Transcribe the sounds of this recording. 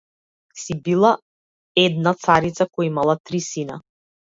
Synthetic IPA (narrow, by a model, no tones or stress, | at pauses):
sibilˠa | ɛd̪̚nat̪saɾit̪sakɔjimalˠat̪ɾisina̰